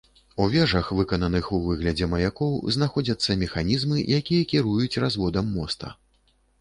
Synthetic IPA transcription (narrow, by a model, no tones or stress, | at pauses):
uvʲɛʐɐxvɨkɐnɐnɨxuvɨɣlʲɐd͡zʲɛmɐjakɔwznaxɔd͡zʲɐt̪sːɐmʲɛxanʲizmɨjakʲijɐkʲiɾujut͡sʲrazvɔd̪ɐmːɔst̪ɐ̰